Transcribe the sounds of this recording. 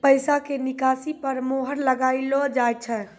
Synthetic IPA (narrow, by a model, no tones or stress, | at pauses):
pəjsakenikasipəɾmoɦəɾləɡailɔd͡ʒaj̪̚t͡ʃʰɛ